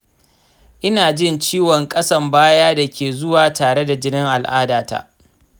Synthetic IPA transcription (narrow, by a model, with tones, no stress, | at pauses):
ʔɪ˦naː˨d͡ʒɪ˦nt͡ʃiː˦wɔ˨ŋkʼɐ˦sɐ˦mbaː˦jaː˦da˨kʲʰeː˨zʊ˦waː˨taː˨ɽe˦da˨d͡ʒɪ˦nɪ˦ŋʔa˨lʔaː˦daː˨ta̰ː˦